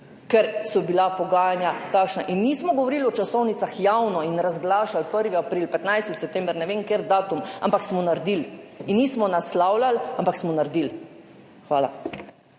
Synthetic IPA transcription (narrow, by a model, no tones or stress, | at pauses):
kɛɾsɔbilapɔɡaːjanjat̪akʃnaʔinːismɔɡɔʋɔɾilɔt͡ʃasɔwnit̪saxjawnɔinɾazɡlaːʃalpəɾʋiapɾilpɛt̪najst̪isɛp̚t̪ɛmbɾnɛʋeŋkeɾd̪aːt̪uma̰mpaksmɔnaɾd̪ilinːismɔnaslawlalampaksmɔnaɾd̪il | xʋaːla̰